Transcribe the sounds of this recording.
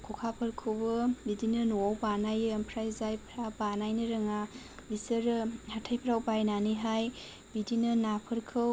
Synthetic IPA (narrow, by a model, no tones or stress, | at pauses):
kʰukʰapʰəɾkʰɯwbɯbidinɐnowbanajɐmpʰɾajzajpʰɾabanajnɯɾɐŋa | bisəɾhatʰajpʰɾawbajnaniɦaj | bidinɯnapʰəɾkʰɯw